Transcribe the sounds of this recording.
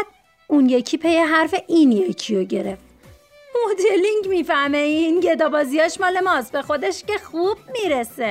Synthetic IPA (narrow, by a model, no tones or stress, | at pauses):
d̪̚ | unjecʰiːpʰejeɦæɾfe̞ʔinjecʰijoɟe̞ɾe̞ft̪ | mod̪eliŋɟmiːfæɾmeinjed̪ɒːbɒːzijɒːʃmɒːle̞mɒst̪be̞xo̞d̪e̞ʃce̞xub̥̚miːɾese